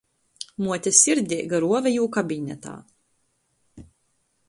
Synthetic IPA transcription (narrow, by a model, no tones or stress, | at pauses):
muɔt̪ʲasʲiɾd̪ʲɛːɡaɾuɔvɛjuːkabʲiɲʲɛ̰t̪a̰ː